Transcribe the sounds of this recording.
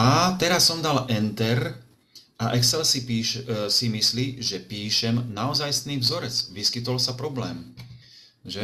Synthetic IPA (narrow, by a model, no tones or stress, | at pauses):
at̪ɛɾasːɔmd̪alʔɛnt̪ɛɾ | ʔaʔɛksɛlsiisimisliʒɛpiːʃɛmnaɔzajsniːvzɔɾɛt͡sʋiskit̪ɔlsapɾɔblɛːm | ʒɛ